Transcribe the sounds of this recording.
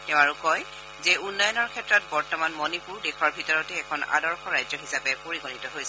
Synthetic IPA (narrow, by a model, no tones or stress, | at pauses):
tɛʊ̃aɹukɔj | zɛunːɔjɔnɔɹkʰɛtːɹɔt̚bɔɹtɔmanmɔnipuɹdexʰɔɹbʱitɔɹɔtɛːkʰɔna̰dɔɹxɔɹajzɔɦisapɛpoɹiɡɔnitɔɦojsɛ